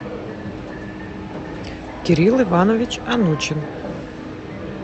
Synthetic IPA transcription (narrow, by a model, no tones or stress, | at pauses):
kʲʰɛɾilivanovʲit͡ʃʰʼanut͡ʃɪn